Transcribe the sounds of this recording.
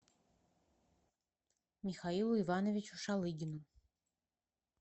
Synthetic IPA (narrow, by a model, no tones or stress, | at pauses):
mʲixailˠuivɑnovʲit͡ɕuʃɑlˠɨɡʲɪnu